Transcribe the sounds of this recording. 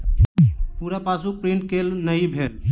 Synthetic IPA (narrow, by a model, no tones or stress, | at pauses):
puɾapasuk̚pɾiɳʈ̚kelnəjbʱel